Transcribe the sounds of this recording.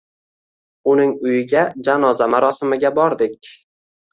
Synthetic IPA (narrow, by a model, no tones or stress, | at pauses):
ʊnɪŋʊjɪɡʲad͡ʒanɒzamaɾɒsɪmɪɡʲabɒɾd̪ɪkʲ